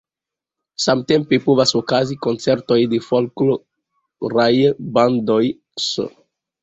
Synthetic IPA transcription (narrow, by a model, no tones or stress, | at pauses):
samte̞mpepovasokaziko̞nt͡se̞ɾto̞jdefolklo | ɾajbando̞j | s